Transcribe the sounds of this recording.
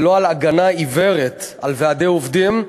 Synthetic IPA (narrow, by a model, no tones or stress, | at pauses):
lo̞alaɡanaiveʁet̪alvead̪e̞jovd̪im